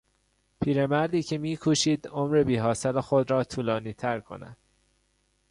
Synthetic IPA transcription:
pʰiːɾe̞mæɾd̪iːcʰe̞miːkʰuːʃiːd̪omɾe̞biːɦɒːselexod̪ɾɒːt̪ʰuːlɒːniːt̪ʰæɾkʰo̰næ̰d̪̥̚

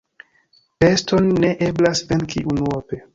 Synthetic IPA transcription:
pe̞sto̞nːe̞ʔe̞blasvenkʰiʔunuope

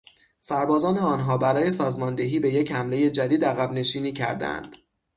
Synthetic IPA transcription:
sæɾbɒːzɒːneɒːnɦɒːbæɾɒːje̞sɒːzmɒːnd̪e̞ɦiːbe̞je̞chæmle̞je̞d͡ʒæd̪iːd̪æɣæbne̞ʃiːniːcʰæ̰ɾd̪æ̰æ̰nd̪̥

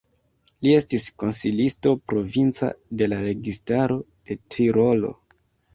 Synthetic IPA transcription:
lie̞stisko̞nsilisto̞pɾo̞vint͡sa̰de̞laɾe̞ɡistaɾo̞d̥e̞tɾiɾo̞lo̞̰

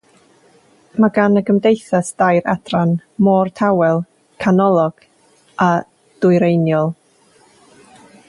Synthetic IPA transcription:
maɡanəɡəmdejθasd̥ajɾa̰d̥ranmɔːrtʰawɛlˠ | kʰanɔlˠɔɡ̥ | a | d̥ʊɨɾejnjɔlˠ

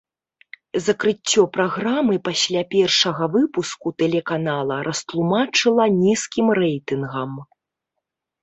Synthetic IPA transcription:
zɐkɾɨt͡sʲːɔpɾaɣɾamɨpasʲlʲapʲɛrʂɐɣɐvɨpuskut̪ɛlʲɛkanalˠɐɾʔɐst̪lˠumat͡ʂɨlˠɐnʲiskʲimrɛjt̪ɨnɣɐm

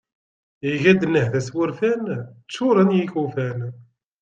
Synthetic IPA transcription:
iʝæd̪nːəhðæswʊɾfænt͡sːʊɾˤɑnjikufæn

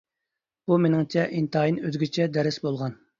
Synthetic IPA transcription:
b̥umenɪŋt͡ʃʰɛʔint̪ʰːjinøzɡʲit͡ʃʰɛd̪ɛɾɪsbolˠʁɑn

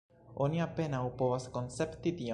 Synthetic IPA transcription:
o̞niape̞nawpo̞vasko̞nt͡se̞pt̪it̪ia

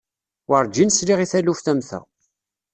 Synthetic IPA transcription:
wəɾˤd͡ʒinsliʁiθælufθæmθæ̰

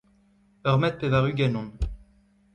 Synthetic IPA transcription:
œʁmɛt̪̚pevaʁyɡanɔ̃

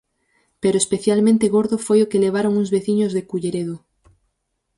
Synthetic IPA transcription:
peɾoespeθjalmẽnt̪eɣo̞ɾðofwe̞jokeleβ̞aɾo̞ŋuŋzβe̞θiɲozðekuʎeɾeðo

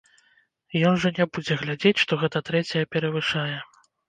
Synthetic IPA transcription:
jɔnʐɐnʲɛbud͡zʲɛɣlʲad͡zʲet͡sʲʂt̪ɔɣɛt̪ɐt̪ɾɛt͡sʲɐjɛpʲɛɾɐvɨʂajɛ

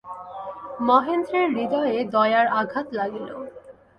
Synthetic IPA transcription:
mɔɦend̪ɾeɾːid̪ɔed̪ɔeaɾaɡʱat̪laɡilo̰

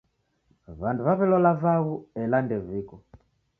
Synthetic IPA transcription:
βanduβaβɛlɔlavaβuɛlandɛvikɔ

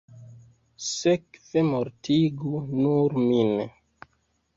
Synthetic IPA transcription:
sekv̥emoɾtiɡunuɾmin

